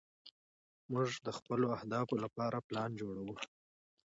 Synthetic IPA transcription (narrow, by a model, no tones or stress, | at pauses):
muʐd̪əxpəloahd̪ɑfolapɑɾʔaplɑnd͡ʒoɽawu